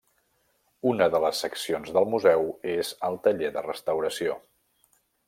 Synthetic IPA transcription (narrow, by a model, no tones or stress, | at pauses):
unəðələsːəksionzðəlˠmuzɛwezəlˠt̪əʎeðə̰rəst̪əwɾəsio